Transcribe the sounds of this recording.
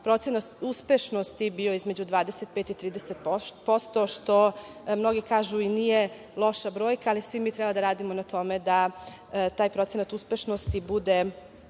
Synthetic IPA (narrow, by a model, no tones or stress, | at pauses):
pɾo̞t̪senat̪uspeʃno̞st̪ibioizme̞d͡ʑud̪ʋaːd̪eset̪̚peːt̪it̪ɾiːd̪eset̪ppo̞st̪o̞ʃt̪o̞mno̞ɡikaːʒuinije | lˠo̞ʃabɾo̞ːjkaːlisʋimiːt̪ɾɛbad̪aɾaːd̪imonat̪o̞me̞d̪a | t̪aːjpɾo̞t̪senat̪uspe̞ʃnost̪ibud̪e